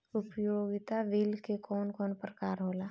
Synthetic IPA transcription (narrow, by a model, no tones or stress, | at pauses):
ʊpjoːɡɪt̪aʋilkekɔːnkɔːnpɾəkaːɾɦoːlaː